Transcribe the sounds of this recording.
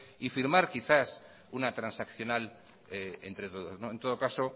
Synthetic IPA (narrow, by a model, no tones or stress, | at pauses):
ifiɾmaɾkiθas | unat̪ɾansakθjo̞nal | eḛnt̪ɾe̞t̪o̞ð̞o̞znoe̞nt̪o̞ðo̞kaso